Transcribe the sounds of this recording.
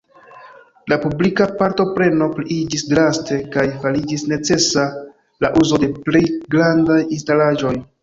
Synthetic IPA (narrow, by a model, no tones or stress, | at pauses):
lapublikapaɾto̞pɾe̞no̞pɾiid͡ʒisdɾaste̞kajfalid͡ʒisne̞t͡se̞sa | laʔuzo̞de̞plejɡɾandajinstalaʒo̞j